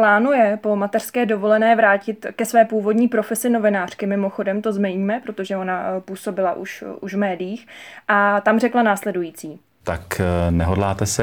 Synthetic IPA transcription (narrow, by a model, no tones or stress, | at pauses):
plaːnujɛpo̞mat̪ɛr̥skɛːdo̞vo̞lɛnɛːvɾaːcɪt̪kɛsvɛːpuːvo̞dɲiːpɾo̞fɛsɪno̞vɪnaːr̝̥kɪmɪmo̞xo̞dɛmt̪o̞zmɛjɲmɛpɾo̞t̪o̞ʒɛo̞napuːso̞bɪlaʔṵʃuʒvmɛːdɪjiːxʔat̪amrɛklanaːslɛdujiːt͡siː | t̪aknɛɦodlaːt̪ɛsɛ